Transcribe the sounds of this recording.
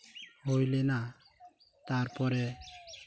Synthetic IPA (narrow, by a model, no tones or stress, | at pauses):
ɦojlɛna | t̪aɾpɔɾɛ